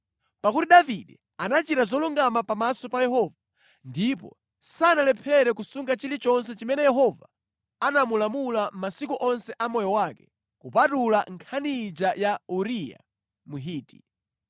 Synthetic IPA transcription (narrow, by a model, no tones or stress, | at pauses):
pakutiɗaviɗɛ | anat͡ʃiɾazɔluŋɡamapamasɔpajɛɦɔːva | ndip̬ɔ̰ | sanalɛpʰɛɾɛkusuŋɡat͡ʃilit͡ʃɔns̬ɛt͡ʃimɛnɛjɛɦɔva̰ | anamulamulam̩masikuʔɔnsɛʔamɔjɔwaːkɛ̥ | kupatulaŋkʰanid͡ʒajauɾija̰ | muɦiːti